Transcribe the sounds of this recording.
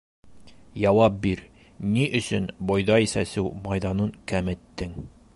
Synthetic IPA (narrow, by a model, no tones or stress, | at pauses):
jɒwɑp̚biɾ | niʔɵ̆sɵnbɒjðɑisæsɘwmɑjd̪ɑnɤŋkæmɘ̆t̪ːɘŋ